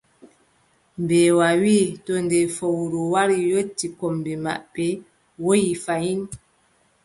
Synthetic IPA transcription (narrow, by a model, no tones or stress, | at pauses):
mbɛːwawiːtɔndɛfowɾɔwaɾijotːikɔmbima̰ʔpɛ | wojifajin